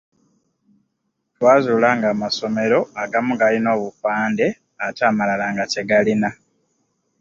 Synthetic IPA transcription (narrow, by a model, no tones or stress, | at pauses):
twaːzuːlaːŋɡaːmaso̞me̞ɾo̞aɡamuɡalino̞ːβufaːnde̞ | ataːmalalaːŋɡace̞ɡalina